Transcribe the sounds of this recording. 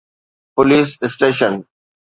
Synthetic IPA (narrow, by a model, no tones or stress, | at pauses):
pʊliːsɪsʈeːʃə̃n